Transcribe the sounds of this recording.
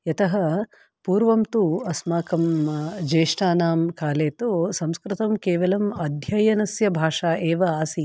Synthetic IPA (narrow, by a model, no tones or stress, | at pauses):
jɐt̪ɐɦɐ | puːɾʋɐmt̪uɐsmaːkɐmd͡ʒeːʂʈaːnaːmkaːleːt̪usɐmskɾɪt̪ɐmkeːʋɐlɐmɐd̪ʱjɐjɐnɐsjɐbʱaːʂaːʔeːʋɐaːsi